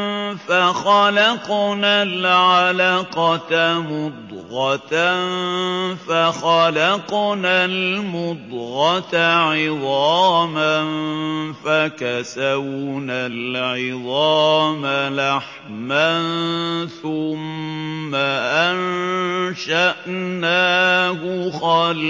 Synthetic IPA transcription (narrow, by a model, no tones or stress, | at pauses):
faxɑlɑqnalʕalaːqɑmʊd̪ɣɑt̪anfaxɑlɑqnalmʊd̪ɣɑt̪aʕɪðˤɑːmanfakasawnalʕɪðˤɑːmalaħ | manθʊmː | aʔan | ʃaʔnaːhʊxɑl